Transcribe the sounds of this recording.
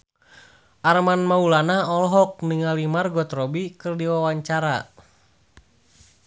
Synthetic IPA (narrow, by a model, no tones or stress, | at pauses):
ʔarmanmaulanaɔlɔɦɔk̚niŋalimarɡɔt̪rɔbikɨrdiwawaɲt͡ʃaɾa